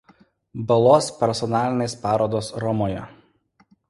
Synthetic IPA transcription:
bɐlˠoːspʲɛɾsɔnɑːlʲɪnʲeːspɑːɾoːd̪oːsɾɔmoːjɛ̰

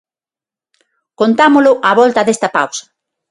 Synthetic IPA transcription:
kont̪amʊlʊʔaβɔlt̪ɐðest̪ɐpa̰wsɐ̥

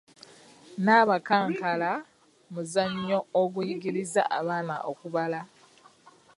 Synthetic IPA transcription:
naβakaːŋkala | muzaɲːo̞oɡ̬ujiɡiliza̰ʔa̰βaːna̰ʔokuβala

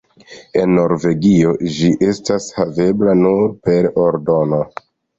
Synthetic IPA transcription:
e̞nːo̞ɾve̞ɡio̞d͡ʒiʔe̞stashave̞blanuɾpe̞ɾoɾdo̞no̞

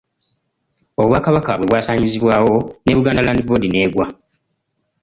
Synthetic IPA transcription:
oβwaːkaβakaβwe̞βwaːsaːɲiziβwaːwo̞ne̞βuɡaːndalaːndiboːdine̞ːɡwa

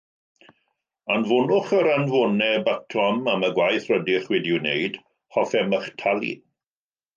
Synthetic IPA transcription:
anvʊnʊχəɾanvʊnɛbatʰɔmaməɡwajθrədɪχwɛdɪneɨd̥ | hɔfɛməχtʰalˠḭ

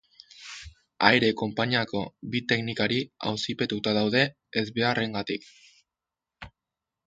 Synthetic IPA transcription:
ajɾe̞ko̞mpaɲiako̞bit̪e̞knikaɾia̰wsipe̞t̪ut̪aðawðe̞ː | zβe̞are̞ŋɡat̪ik

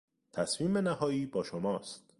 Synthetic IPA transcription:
t̪ʰæsmiːmbenæhɒːiːbɒːʃomɒːst̪

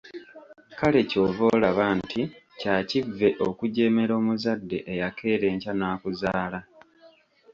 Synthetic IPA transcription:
kale̞co̞ːvo̞ːlaβaːntʰi | caːcivːe̞ʔo̞kuɟe̞ːme̞ɾo̞ːmuzadːe̞ʔejakʰe̞ːɾe̞ːɲcanaːkuzaːla

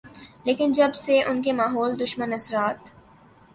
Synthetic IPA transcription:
leːkɪnd͡ʒɐbseʔʊnkemaːɦɔːld̪ʊʃmənɐsɾaːt̪

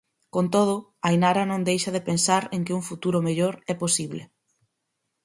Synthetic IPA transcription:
kont̪oð̞ʊajnaɾanõŋd̪ejʃɐðɪpensaɾeŋkɪuŋfut̪uɾʊmeʎoɾɛposiβlɪ̰

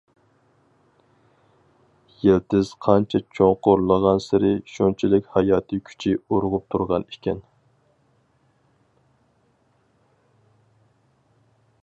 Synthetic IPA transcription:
jelt̪ʰɪz̥qʰɑnt͡ʃʰɛt͡ʃʰoŋqʊɾlˠəʁɑnsɪɾɪʃont͡ʃʰilɪkʲhɑjɑːt̪ʰɨkʲʰy̥t͡ʃʰɪoɾʁʊp̚t̪ʰuɾʁɑnikʲʰɛn

